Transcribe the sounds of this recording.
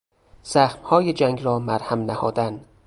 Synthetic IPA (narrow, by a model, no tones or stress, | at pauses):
z̥æxmhɒːjed͡ʒæŋɡɾɒːmæɾhæmnæhɒːd̪æn